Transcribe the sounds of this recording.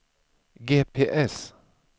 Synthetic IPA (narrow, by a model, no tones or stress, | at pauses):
ɡeːpʰeːʔɛs